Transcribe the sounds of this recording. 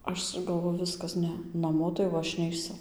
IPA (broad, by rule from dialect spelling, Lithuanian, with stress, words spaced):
ˈɐʃ ɡɐlˠˈʋoːjʊ ˈʋʲɪskɐs ˈnʲɛ nɐˈmoː tɐɪ jɛʊ ˈɐʃ nʲɛɪˈsʊ